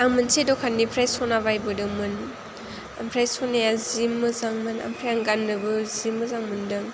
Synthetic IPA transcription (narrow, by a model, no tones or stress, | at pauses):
aŋmɯnsedɔkʰanːipʰɾajsɔnabajbɯdɯŋmɯn | a̰mpʰɾajsɔnajazimːɯzaŋmɯna̰mpʰɾajaŋɡanːɯbɯzimːɯzaŋmɯndɯŋ